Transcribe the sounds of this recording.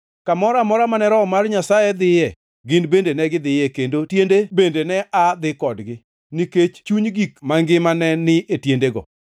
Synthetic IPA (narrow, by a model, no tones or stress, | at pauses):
kamɔɾamɔɾamanɛɾɔmarɲasajed̪ɪjɛ | ɡɪnbendenɛɡɪd̪ɪjɛkendotjendebendenɛad̪ɪkɔdɡɪ | niket͡ʃt͡ʃuɲɡikmaŋɡɪmanɛnɪʔetjendeɡɔ̰